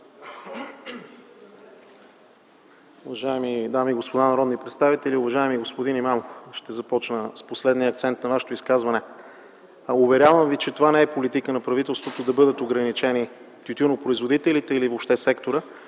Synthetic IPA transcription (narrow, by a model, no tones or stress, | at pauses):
ʊvɐʒaɛmid̪amiɡospod̪anɐɾɔd̪nipɾɛt̪st̪avit̪ɛlʲiʊvɐʒaɛmiɡospod̪inimamofʃt̪ɛzɐpɔt͡ʃnəsposlɛd̪niəɐkt̪sɛnt̪nɐvaʃɛ̥t̪oʊiskazvɐnɛ | ʊvɛɾʲjavəmvit͡ʃɛt̪ovanɛɛpolit̪ikənɐpɾɐvit̪ɛlˠst̪vot̪od̪ɐbɤd̪ət̪oɡɾɐnit͡ʃɛni | t̪ʲut̪ʲunopɾoizvod̪it̪ɛlit̪ɛilivopʃt̪ɛsɛkt̪oɾə